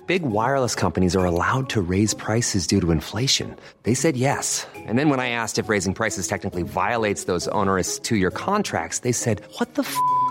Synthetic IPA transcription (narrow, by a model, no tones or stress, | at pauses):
b̥ɪɡwaɪəɹlˠəskʰʌ̃mpɨñizə˞əlaʊd̚tʰɨɹeɪz̥pʰɹ̥aɪsɨzdʉɾəɨ̃ɱfleɪʃɨ̰̃n | ðeɪsɛd̚jɛsʔɨ̃nðɨ̃nwə̃naɪæstɨfɹeɪzɪ̃ŋpʰɹ̥aɪsɨz̥tʰɛk̚nɨklivaɪəlˠeɪtsðoʊzõ̰ʊ̃nə˞ɨststʰɨjə˞kʰɑ̃ntʰɹ̥æ̰k̚tsðeɪsɛd̚wʌt̪̚ðəf